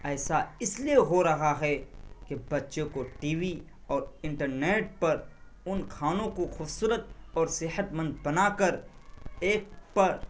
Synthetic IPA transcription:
ɛːsaɪslieɦoɾɐɦaɦɛkebɐtːʃõkoʈiːʋi | ɔːɾɪ̃ɳʈəɾneːʈ̚pɐɾ | ʊnkʰaːnõkoxʊːbsuːɾət̪̚ɔːɾsɪɦət̪mə̃nd̪̚bɐnaːkəɾeːk̚pɐɾ

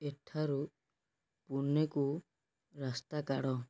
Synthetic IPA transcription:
eʈʰaɾu | puneku | ɾast̪akaɽɔ

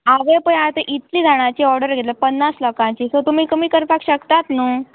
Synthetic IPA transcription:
aʋẽpəat̪əʔit̪liːd̪ʱaɽ̃ãt͡ɕiːɔɾɖəɾɡʱet̪ləpənːaslɔkãt͡ɕiːsot̪umiːkəmiːkəɾpakɕəkt̪at̪nuː

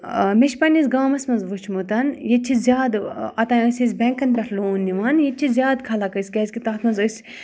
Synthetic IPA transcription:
meʃpɐnʲizɡaːmɐsmɐnzʋut͡ʃʰmut̪ɐnjet͡ʃʰizʲjaːd̪ɐt̪ãːəsʲis̬ʲbʲɛ̃ŋkɐnbʲɐɾʰloːnːiʋanjet͡ʃʰizʲjaːd̪kʰɐlakəsʲkʲɐzʲkʲit̪aːt̪ʰmɐnzəsʲ

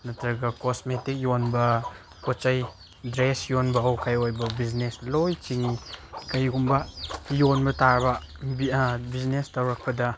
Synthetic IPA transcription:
nɐtɾɐɡɐkosmetik̚jonbɐ | kot͡ʃɐj | dɾesjonbɐawkajojbɐbid͡ʒneslojt͡ʃiŋkajɡumbɐjonbɐtaɾbɐ | bibiznestawɾɐk̚pɐdɐ

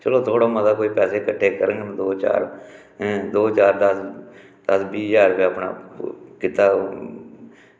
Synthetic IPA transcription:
t͡ʃəloːt̪ʰoːɽaːmət̪aːkoːiːpɛːseːkəʈʰːeːkəɾəŋɡənd̪oːt͡ʃa̰ːɾ | d̪oːt͡ʃaːɾd̪əs | d̪̥əsbiːjaːɾʋeəpna̰ːkɪt̪aː

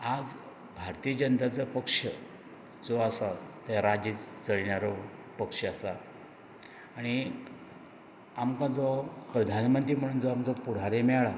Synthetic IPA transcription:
ad͡z | bʱaɾt̪iːəd͡ʑənt̪at͡səpəkʂə | d͡zoasat̪aɾad͡ʑiːt͡sd͡zəɭɳaɾɔpəkʂəasa | ɽ̃i | amkãd͡zɔpɾəd̪ʱanmənt̪ɾiːm̤əɽ̃uːnd͡zɔamd͡zɔpuɽ̤aɾemɛɭa

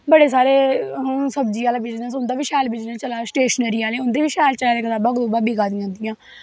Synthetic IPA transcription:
bəɽeːs̬aːɾeːɦʊsəbd͡ʒiːaːlaːbɪd͡ʒd̪ãːsʊnd̪aːʋiːʃɛːlbɪd͡ʒnẽːt͡ʃəlaːsʈeːʃnəɾiːaːleːʊnd̪iːʋiːʃɛːlt͡ʃəlaːd̪eːkʰət̪aːbãːɡd̪uːbaːbiːɡaːd̪ijãːnd̪ijãː

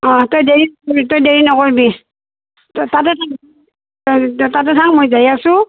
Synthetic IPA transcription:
ɔtojdeɹinɔbitojdeɹinɔkoɹbi | tatɛtʰaŋ | tatɛtʰaŋmojzajasʊ̃

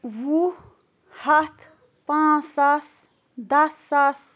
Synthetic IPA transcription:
wu | hat̪ʰ | pãsas | d̪asːas

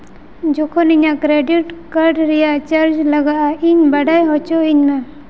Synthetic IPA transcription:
d͡ʒɔkʰɔniɲakɾeɖiʈkəɾɖɾɛjaʔt͡ʃəɾd͡ʒləɡaʔaiɲbəɖajɦɔt͡ʃɔiɲna

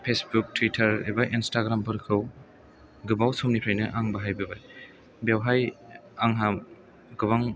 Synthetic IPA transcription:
pʰesbuk̚tʰwitʰɐɾḛbaʔinstaɡɾampʰɯɾkʰɯw | ɡɯbawsumnipʰɾajnɯʔaŋbaɦajbɯbaj | bjawɦajaŋɦam | ɡɯβaŋ

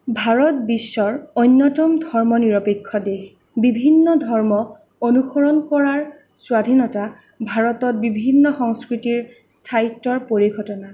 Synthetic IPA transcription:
bʱaɹɔtbisːɔɹojnːɔtɔmdʱɔɹmɔniɹɔpekʰːɔdex | bibʱinːɔdʱɔɹmɔ | onuxɔɹɔnkɔɹaɹ | swadʱinɔta | bʱaɹɔtɔt̚bibʱinːɔxɔŋskɹitiɹ | stʰaitːɔɹpoɹiɡʱɔtɔna

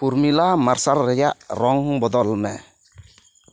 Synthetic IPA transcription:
puɾmilamarsalːɛjaɾɔŋbɔd̪ɔlmɛ

